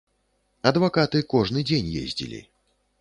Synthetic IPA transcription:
ɐd̪vakat̪ɨkɔʐnɨd͡zʲenʲjḛzʲd͡zʲḭlʲḭ

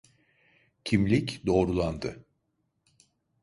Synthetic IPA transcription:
cʰimlʲicd̪o̞ːɾulˠand̪ɯ

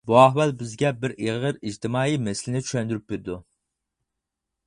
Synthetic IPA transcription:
buɑɦwɛlbɪzɡʲɛbɪɾʔeʁəɾid͡ʒt̪ʰɪmɑːimɛsɪlɪnɪt͡ʃʰy̥ʃɛnd̪yɾyp̚beɾɪd̪u

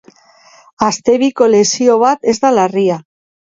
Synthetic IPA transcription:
ast̪e̞βiko̞le̞sio̞β̞at̪e̞zd̪alaria

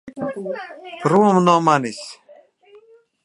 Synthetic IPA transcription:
ɾumnomanis

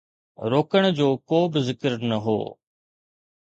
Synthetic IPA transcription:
ɾoːkəɽ̃d͡ʑoːkoːbɪzɪkəɾnɐɦo̰ː

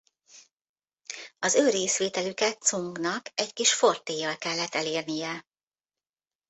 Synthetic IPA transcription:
ɒzøːɾeːsʋeːt̪ɛlykɛt̪suŋɡnɒkɛckiʃfo̞rt̪ːeːjɒlkɛlːɛt̪ːɛleːrnijɛ

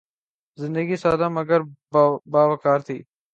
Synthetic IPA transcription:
zɪ̃nd̪əɡisaːd̪ãːməɡəɾbaːʋɐkaːɾt̪ʰiː

